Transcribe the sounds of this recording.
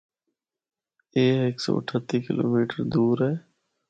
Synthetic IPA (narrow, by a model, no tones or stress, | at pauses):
eːɦeːksɔ̰ːəʈʰət̪iːkɪlo̰ːmiːʈəɾd̪uːɾɦɛː